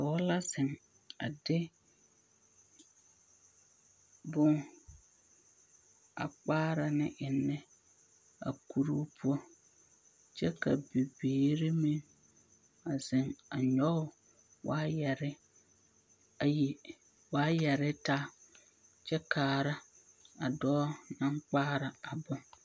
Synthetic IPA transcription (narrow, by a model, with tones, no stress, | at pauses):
ka˨wɔ˦la˦sɪ˨ŋ | a̰˨dɪ˦ | bʊ˦ŋ | a̰˨k͡paː˦ɾa˨nɪ˦ʔɪ˨nːɛ˦ | a̰˨ku˨ɾu˦pʰʊ˦ɔ˦ | t͡ʃɛ˦ka̰˨bi˨biː˨ɾi˦mɪ̃˦ | a˨zɪ˨ŋa˨ɲɔ˦ʊ˦˨ | wʔaː˦jɛ˨ɾɪ˦ | a˨ji˨ | waː˦jɛ˨ɾɪ˦taː˦ | t͡ʃɛ˦kʰaː˨ɾa˦ | a˨dɔː˦nã˦ŋk͡paː˦ɾa˨a˨bʊ˦ŋ